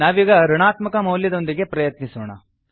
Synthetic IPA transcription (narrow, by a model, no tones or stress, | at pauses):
aːʋiːɡɐɾɐɳaːt̪mɐkɐmɐwljɐd̪o̞nd̪iɡe̞pɾɐjɐt̪nisoːɳɐ̰